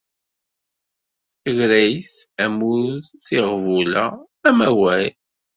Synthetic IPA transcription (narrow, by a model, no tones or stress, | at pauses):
əʝɾæjθæmuðsiʁvulæ | æmæwæj